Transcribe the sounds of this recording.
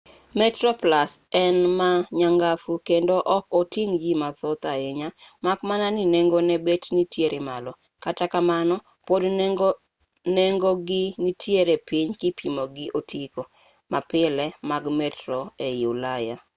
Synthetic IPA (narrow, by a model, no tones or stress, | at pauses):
mɛtrɔplasɛnmaɲaŋɡafukendoʔɔkotiŋd͡ʒimat̪ɔt̪aeɲamakmananineŋɡonɛbetnitjeɾʔemalɔ | katakamanɔ | pod | neŋɡoɡɪnitʰjeɾepɪɲkɪpʰimoɡɪʔotʰiko | mapɪlɛmaɡmɛtɾoejulaja